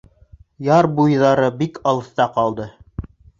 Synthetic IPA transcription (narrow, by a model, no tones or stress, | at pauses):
jɑɾbujðɑɾɤbikɑlˠɤ̆θt̪ɑqɑlˠd̪ɤ